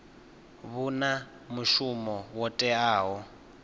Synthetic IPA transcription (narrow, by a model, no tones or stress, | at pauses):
βuna | muʃumɔwɔtʼɛaːɦɔ